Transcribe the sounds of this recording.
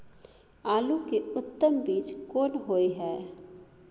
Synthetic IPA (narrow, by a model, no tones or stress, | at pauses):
aːlukeʊt̪ːəmbiːt͡ʃkoːnɦoiɦɛ